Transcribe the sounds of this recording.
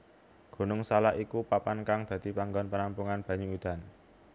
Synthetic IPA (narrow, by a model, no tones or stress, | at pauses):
ɡ̥o̤nʊŋsalaʔikupapankaŋd̪̥ä̤d̪̥i̤paŋɡɔnpənampuŋanb̥ä̤ɲuud̪̥a̤n